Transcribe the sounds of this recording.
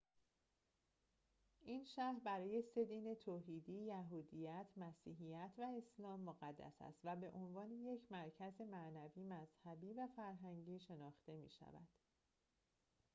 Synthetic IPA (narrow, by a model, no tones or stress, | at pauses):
ʔiːnʃæhɾbæɾɒːje̞se̞d̪iːne̞t̪ʰoːɦiːd̪iːjæɦuːd̪ijæt̪ʰmæsiːɦijæt̪ʰvæe̞slɒːmːoɣæd̪ːæ̰sæ̰st̪væbe̞ʔo̞nvɒːneje̞cʰmæɾcʰæze̞mæʔnæviːmæz̥hæbiːvæfæɾɦæŋɟiːʃe̞nɒːxt̪e̞mḭːʃæ̰væ̰d̪̥